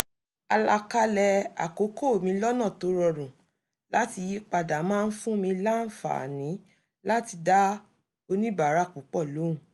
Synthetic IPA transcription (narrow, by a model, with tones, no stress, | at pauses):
a˧la˧ka˦lɛ˧a̰˨ko˨˦ko˦˨mĩ˧lɔ˦nã˦˨to˨˦ɾɔ˧ɾũ˨ | la˦ti˧ji˦k͡pa˧da˨˦mãː˦˧n̩˦fũ˦mĩ˧la˦n̩˦fa̰˨nĩ˨˦ | la˦ti˧da˦ | o˧nĩ˦ba˨ɾa˨˦˨k͡pu˨˦k͡pɔ˦˨lo˨˦ũ˦˨